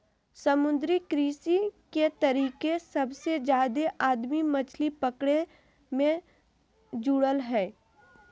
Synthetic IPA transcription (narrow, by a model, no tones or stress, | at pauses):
sɐmʊ̃nd̪ɾikɾiːsiket̪ɐɾiːkesɐbsed͡ʒjaːd̪eʔaːd̪mimɐt͡ʃʰlipəkɽe | mẽ | d͡ʒuːɽəlɦɛː